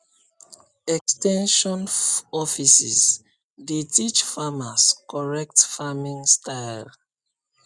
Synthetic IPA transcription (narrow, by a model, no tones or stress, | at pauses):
ɛkstɛ̃nʃɔ̃nɔfisis | detit͡ʃfamaskɔɹɛk̚tfamĩŋstʰaɪl